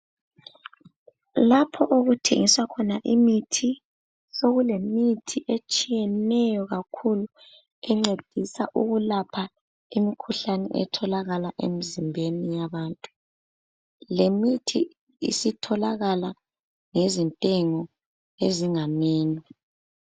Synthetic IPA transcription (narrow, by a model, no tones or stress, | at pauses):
lapʰɔʔoɣutʰḛŋiswakʰɔnaʔimitʰi | soɣulemitʰiʔet͡ʃʼijɛnɛjɔɣakʰulu | ɛŋ͡ǀed̥ʱisaʔuɣulapʰa | imikʰuɬanɛ̰ʔɛ̰tʰɔlaɣalaʔḛmizimbʱenijaβaːntʼu | lemitʰi | ḭsitʰɔlaɣala | ŋezintʼɛŋɔ | eziŋamiːnɔ